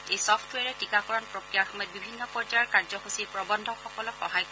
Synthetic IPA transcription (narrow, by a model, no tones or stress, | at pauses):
ejsɔpʰtwɛɹɛtikakɔɹɔnpɹokɹijaɹxɔmɔjɔt̪̚bibʱinːɔpɔɹd͡ʒajɔɹkaɹzɔxusipɹɔbɔndʱɔxɔkɔlɔkɔɦajk